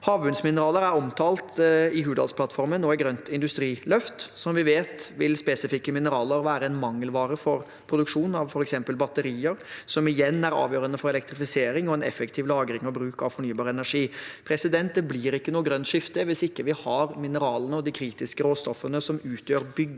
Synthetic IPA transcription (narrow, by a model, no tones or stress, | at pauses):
hɑːʋbʉnsmɪnəɾɑːləɾæɾɔmt̪ʰɑːlt̪ɪhʉːd̪ɑ̰lspʰlɑt̪ːfɔɾmənːoːɪɡɾœnt̪ɪnd̪ʉst̪ɾiːlœft̪sɔmʋɪʋeːt̪ʋɪlspeːsɪfɪkːəmɪnəɾɑːləɾʋæːɾəɛnmɑŋːəlʋɑːɾəfɔɾ | pʰɾʊd̪ʉkʂuːn̩ɑʋfɔɾɛksɛmpəlbɑt̪əɾiːəɾsɔmɪjɛnːæɾɑ̰ːʋjøːɾənəfɔɾɛlɛk̚t̪ɾɪfɪseːɾɪŋɔɛnɛ̰fəkt̪ʰɪːʋlɑːɡɾɪŋɔbɾʉːkɑʋfɔɳyːbɑːɾəɛnæʂiːpʰɾɛsɪd̪ɛnt̪̚d̪ɛblɪɾɪkːənuːəɡɾœnt̪ʂɪft̪əʋɪsɪkːəʋɪhɑɾmɪnəɾɑːlənəɔd̪ɪkʰɾiːt̪ɪskəɾoːst̪ɔfːənəsɔmʉːt̪ʰjøːɾbʏɡ